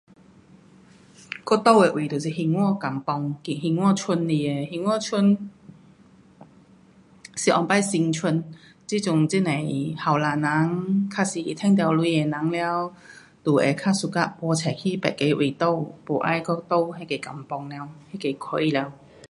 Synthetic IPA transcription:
kɔ˥t̪o˥˧˨we˨ʔwʔi˨t̪o˨˩si˧˨˩hi˧ŋwɔ˥˧ka˨˩mpɔ˧ŋki˨˩ɦi˧ŋwɔ˥˧t͡ɕʰu˧nli˧˩e˨˩hi˧ŋwɔ˥˧t͡ɕʰu˧n | si˨˩ʔɔ˧˩ŋpa˥˩jsi˧ŋt͡ɕʰu˧n | t͡si˥t͡sʊ˧ŋt͡si˦˥ne˨˩jha˨˩wlaː˨˩na˨˦ŋkʰa˧˥si˨˩˨t̪ʰɛ˥˧ŋt̪̬ja˧wlwi˧e˨˩nã˨˦ŋlja˧w | t̪u˨˩ḛ˨˩kʰa˥su˧ka˦˥pwɔ˧t͡ɕʰɛ˨˩kʰi˥˦pɛ̰˨t̚ke˨˧˦ʔwi˨˩t̪o˥˩wpo˨˩ʔa̰˥˨jkɔ˥˧t̪o˥˧˨whe˧˦˩ke˨˩ka˨˩mpɔ˧ŋla˧whe˥ke˨˧˩kʰo˧˦i˧lɛ˧w

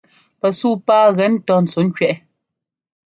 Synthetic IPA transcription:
pɛ˨suː˦˨paː˦ɣɛ˨˦n˦tɔ˦˨n̩˨t͡so˨˦ŋ̩˦kɥɛ˦ʔɛ˨

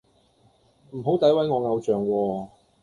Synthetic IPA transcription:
m̩˨˩ɦo˨˥wt̪ɐ˨˥jwɐ˨˥jŋɔː˨˧ŋɐ˨˧wt͡ʃœː˨ŋwɔː˧

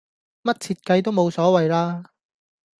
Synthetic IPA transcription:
mɐ˥t̚t͡sʰiː˧t̚kɐ˧jt̪̬o˥wmo˨˧wsɔː˨˥wɐ˨jlaː˥

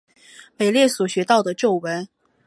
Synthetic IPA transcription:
me˨˩ɪljɛ˥˩swɔ˨˩ɕɥɛ˧˥t̪ɑ˥˩ʊd̪ə˩ʈ͡ʂo˥˩ʊwə˧˥n

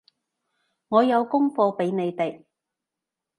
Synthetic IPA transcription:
ŋɔː˨˧jɐ˨˧wkʊ˥ŋfɔː˧pe˨˥jne˨˧jt̪e˨j

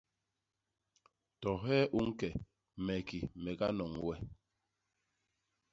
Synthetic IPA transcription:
tɔ˨ɦɛː˦ʔu˦ŋ̩˦kɛ˨ | mɛ˨ki˨mɛ˨ka˦nɔ˨ŋwɛ˦

